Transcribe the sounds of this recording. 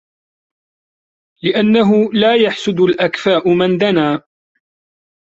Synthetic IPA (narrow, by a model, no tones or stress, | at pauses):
lɪʔanːaɦʊlaːjaħsʊd̪ʊlʔakfaːʔʊmand̪anaː